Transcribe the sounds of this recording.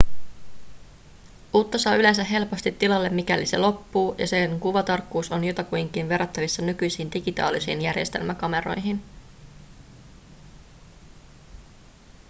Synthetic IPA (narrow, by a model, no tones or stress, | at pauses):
ʔuːt̪ːɑsɑːylens̬æɦe̞lpo̞st̪it̪ːilɑlːe̞mːikælise̞̰lo̞pːuːjɑ̰seŋkuʋɑt̪ɑrkːuːso̞njot̪ɑkujŋkinʋe̞rːɑt̪ːɑʋisːɑnykyjsiːnd̥iɡit̪ɑ̰ːlisiːnjærje̞̰st̪e̞lmækɑme̞ɾo̞jɦin